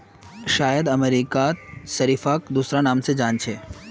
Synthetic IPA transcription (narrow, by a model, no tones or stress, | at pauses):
ʃaːjəd̪ɐmeɾiːkaʃɐɾiːfaːkd̪uːsɾanaːmsed͡ʒaːnt͡ʃʰeː